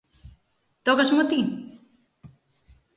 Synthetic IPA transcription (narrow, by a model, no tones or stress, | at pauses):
t̪ɔkɐsmot̪i